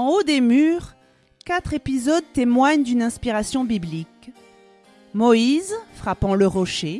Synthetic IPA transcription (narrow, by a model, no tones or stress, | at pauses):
ɑ̃od̪emyʁ | kat̪χepizɔd̪̚t̪emwaɲd̪ynɛ̃spiʁasjɔ̃biblik | mɔizfχapɑ̃ləʁɔʃe